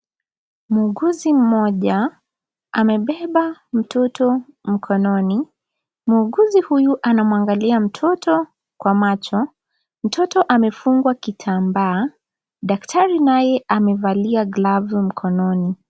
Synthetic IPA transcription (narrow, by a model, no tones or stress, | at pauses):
muːɠuzim̩mɔʄa | amɛɓɛɓam̩tʰɔtʰɔm̩kʰɔnɔni | muːɠuzihujuʔanamwaŋɡaliam̩tʰɔtɔ | kwamat͡ʃɔ | m̩tʰɔtɔʔamɛfuŋɡwakitʰambaː | ɗak̚tʰaɾinajɛʔamɛvaliaɡlavum̩kʰɔnɔni